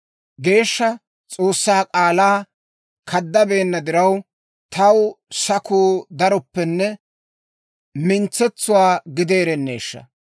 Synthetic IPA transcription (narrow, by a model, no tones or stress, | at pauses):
ɡe̞ːʃːɐ | t͡sʼo̞ːsːaːkʼaːlaː | kʰɐd̪ːɐbe̞ːnːɐd̪ɪɾɐw | t̪ɐwsɐkuːd̪ɐɾɔpːɛnːɛ | mɪnt͡sːɛt͡sːʊwaːɡɪd̪e̞ːɾɛnːḛːʃːɐ̰